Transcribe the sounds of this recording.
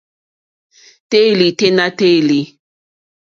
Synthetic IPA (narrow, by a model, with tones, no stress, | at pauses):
te˦˨li˨te˦na˦te˦˨li˨